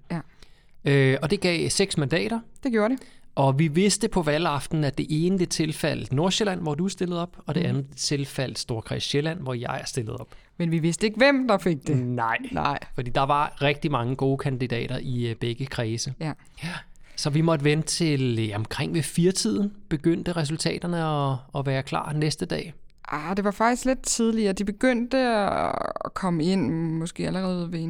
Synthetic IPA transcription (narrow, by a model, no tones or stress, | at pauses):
øɒ̽d̥e̝ɡ̥ɛ̰ːseɡ̥smænd̥ɛ̰ːɾ̥ɐd̥eɡ̥joːɐɾeʔɒ̽ʋiʋe̝sd̥əpʰɒ̽ʋælɑ̈fd̥n̩æd̥e̝ʔe̝ːnəd̥e̝t͡sʰe̝lfæl̰d̥no̝ɐɕelæn̰ʋɒd̥uæsd̥e̝ləð̞̩ˠɒ̽b̥ɒ̽d̥e̝ænð̩ˠd̥et͡sʰe̝lfæl̰d̥sd̥o̝ɐkʰʁasɕelæn̰ʋɒjɑ̈ɪæɐsd̥e̝ləð̞̩ˠɒ̽b̥ | menʋiʋe̝sd̥əeɡ̥əʋem̰d̥ɑ̈feɡ̥̚d̥enɑɪ̰fɒ̽d̥ḭːd̥ɑ̈ʋɑ̈ʁɛɡ̥̚d̥imɑ̈ŋəɡ̥o̝ːkʰænd̥id̥ɛ̰ːɾ̥ɐʔib̥eɡ̥əkʰʁɛːsə | sɒ̽ʋimɒ̽d̥əʋen̥ət͡sʰe̝lɒ̽mkʰʁeŋ̰ʋe̝fiːɐt͡sʰið̞̰ˠn̩b̥e̝ɡ̥øn̰d̥əʁɛs̬ult͡sʰɛ̰ːd̥ɐnəɒ̽ɒ̽ʋæːɐkʰlɑ̰̈ːnesd̥əd̥ɛ̰ː | ʔad̥e̝ʋɑ̈fɑ̈ɡ̥̚d̥isɡ̥le̝d̥̚t͡sʰið̞ˠliɐːd̥ib̥e̝ɡ̥øn̰d̥ə | ɒkʰɒ̽məe̝n̰mɒ̽sɡ̥e̝̰ːæləʁɛːðˠʋe